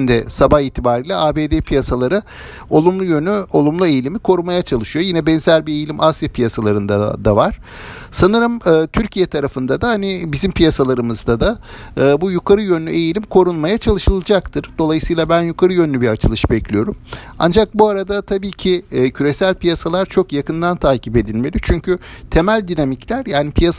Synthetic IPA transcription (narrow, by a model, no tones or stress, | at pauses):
nd̪ɛsabaxiːt̪ʰibaːɾiːlʲɛaːbeːd̪epʰijasalˠaɾɯ | o̞lˠumlˠujønyo̞lˠumlˠue̞jilʲimikʰo̞ɾunmajat͡ʃʰalˠɯʃɯjo̞jinɛbɛnzælʲbiejilʲimʔasjapʰijasalˠaɾɯnd̪a̰d̪avaɾ̥ | sanɯɾɯmɯːt̪ʰyɾcʰijɛt̪ʰaɾafɯnd̪ad̪ahanibizimpʰijasalˠaɾɯmɯzd̪ad̪aː | bujukʰaɾɯjø̞nlʲyʔe̞jilʲimkʰo̞ɾunmajat͡ʃʰalˠɯʃɯlˠad͡ʒakt̪ʰɯɾ̥d̪̥o̞lˠajɯsɯjlˠabænjukʰaɾɯjø̞nlʲybiat͡ʃʰɯlˠɯʃbɛclʲijo̞ɾuma̰nd͡ʒak̚buaɾad̪at̪ʰabiːcʰɪcʰyɾe̞sælʲpijasalˠaɾt͡ʃʰo̞kjakɯnd̪ant̪ʰaːcipe̞d̪ilʲme̞lʲit͡ʃʰyɲcʰyt̪ʰe̞mælʲd̪inamiclʲæɾjaːnipʰijas